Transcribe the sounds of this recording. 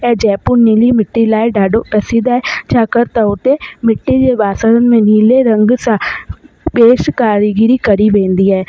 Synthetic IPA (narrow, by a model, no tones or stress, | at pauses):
ɛːd͡ʒɛːpʊniːliːmɪʈːilaːeɖaːɖoːpɛsiːd̪aːɛːd͡ʒaːkəɾt̪ãʊt̪eːmɪʈːid͡ʒeːʋaːsəɾənmẽniːleːɾəŋɡsa | beːʃkaːɾɡɪɾiːkəɾiːʋẽːnd̪iːɛː